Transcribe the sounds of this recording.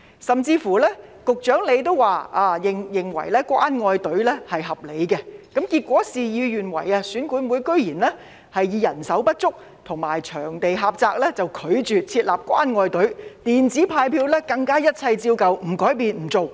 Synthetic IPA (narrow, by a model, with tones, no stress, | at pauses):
sɐ˨mt͡siː˧fuː˨˩lɛː˥kʊ˨k̚t͡ʃœː˨˥ŋle˨˧jt̪o˥wwaː˨aː˧jɪ˨ŋjɪ˨ŋwɐ̰˨˩jlɛː˥kwaː˥nŋɔː˧jt̪ɵ˨˥ɥlɛː˥hɐ˨jɦɐ˨p̚le˨˧jkɛ˧kɐ˨˥mkiː˧t̚kʷɔː˨˥siː˨ji˨˧wjyː˨nwɐ̰˨˩jɐː˧syː˨˥nkuː˨˥nmuː˨˧jkɵ˥ɥjiː˨˩nlɛː˥ | hɐ˨jːiː˨˧jɐ˨˩nsɐ˨˥wpɐ˥t̚t͡sʊ˥k̚ | t̪ʰʊ˨˩ŋmaː˨˩jt͡ʃʰœː˨˩ŋt̪e˨jɦaː˨p̚t͡saː˧k̚lɛː˥t͡sɐ˨wkʰɵ˨˧ɥt͡ʃyː˨t͡sʰiː˧t̚laː˨p̚kʷwaː˥nŋɔː˧jt̪ɵ˨˥ɥt̪iː˨˩nt͡siː˨˥pʰaː˧jpʰiː˧wlɛː˥kɐ˧ŋkaː˥jɐ˥t̚t͡sʰɐ˧jt͡siː˧wkɐ˨wm̩˨˩kɔː˨˥jpiː˨˧nm̩˨˩t͡so˨w